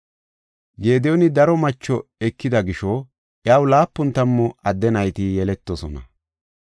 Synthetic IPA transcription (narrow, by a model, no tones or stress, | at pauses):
ɡe̞ːd̪ɛjɔnɪd̪ɐɾɔmɐt͡ʃːɔɛkːɪd̪ɐɡɪʃɔ | ʔjaːwlaːpːʊnt̪ɐmːɔɐd̪ːɛnɐjt̪ɪjɛlɛt̪ːɔsɔ̰nɐ̰